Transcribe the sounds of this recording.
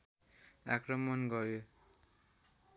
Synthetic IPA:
akrʌmʌnɡʌɾjo

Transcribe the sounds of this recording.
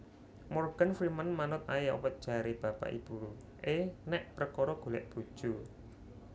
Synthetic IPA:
morɡ̥anfɾimənmanʊt̪̚ajaʔṵwət̪̚d̥ʒ̥a̤ɾeb̥a̤pa̰ʔḭb̥uɾu | ʔenɛʔpəɾəkɔɾɔɡ̥o̤lɛ̰ʔb̥ṳd̥ʒ̥u

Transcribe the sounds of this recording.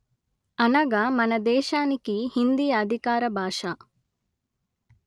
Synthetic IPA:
ɐnɐɡamɐnɐd̪ɛːʃaːnikihind̪ijɐːd̪ʱikaːɾɐbʱaːʂɐ

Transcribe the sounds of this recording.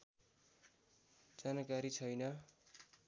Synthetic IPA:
d͡zanakaɾit͡sʰʌjnʌ

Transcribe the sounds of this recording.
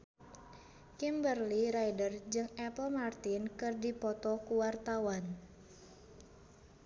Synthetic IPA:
kimbərliɾajdərd͡ʒɨŋɛpəlmart̪inkɨrdipɔt̪ɔkuwart̪awan

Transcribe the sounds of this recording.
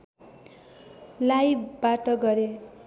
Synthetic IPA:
lajbbaʈʌɡʌɾe

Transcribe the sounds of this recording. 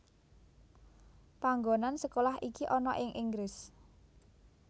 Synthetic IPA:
paŋɡonansəkolahikiʔɔnɔʔɪŋʔiŋɡɾɪs

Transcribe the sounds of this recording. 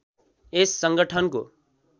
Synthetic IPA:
esːʌŋɡʌʈʰʌnko̰

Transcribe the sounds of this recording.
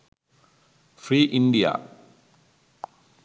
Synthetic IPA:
fɾiːʔɪɳɖija̰

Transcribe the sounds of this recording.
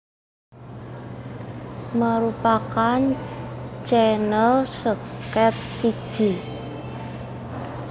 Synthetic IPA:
məɾupakan | t͡ʃɛnəlsəkɛt̪̚sid̥ʒ̥i

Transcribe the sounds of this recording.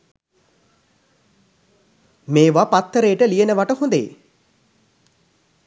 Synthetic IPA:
meːʋapat̪ːəɾejəʈəliənəʋaʈəhond̪ḛ

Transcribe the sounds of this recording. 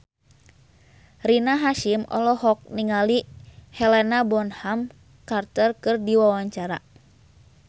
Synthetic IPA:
rinaɦaʃimɔ̰lɔɦɔk̚niŋalihɛlɛnabɔnham | kart̪ərkɨrdiwawaɲt͡ʃaɾa̰

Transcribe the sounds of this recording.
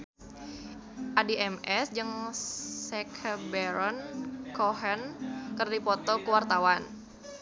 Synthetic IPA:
ʔadiʔɛmɛsd͡ʒɨŋsɛkʰəbɛɾɔnkɔɦɛnkərdipɔt̪ɔkəwart̪awan

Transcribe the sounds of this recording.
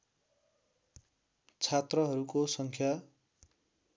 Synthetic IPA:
t͡sʰat̪rʌɦʌɾukosʌŋkʰja

